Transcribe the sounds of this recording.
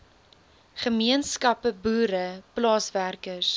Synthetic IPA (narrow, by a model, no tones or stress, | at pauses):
χəmiənskɐpəbuːɾəplɑːsværkəs